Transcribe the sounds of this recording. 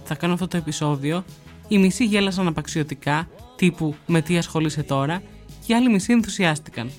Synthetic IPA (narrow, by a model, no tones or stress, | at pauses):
θɐkɐnoɐft̪ot̪o̞e̞piso̞ðio̞ | imisiʝe̞lɐs̬ɐnɐpɐksio̞t̪ikɐt̪ipume̞t̪iɐsxo̞lise̞t̪o̞ɾɐ | ceɐlimisie̞nθusiɐst̪i̥kɐ̰n